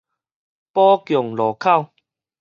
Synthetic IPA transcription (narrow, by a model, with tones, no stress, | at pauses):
pɔ˦kjɔ˨˩ŋlɔ˨˩kʰa˥˨w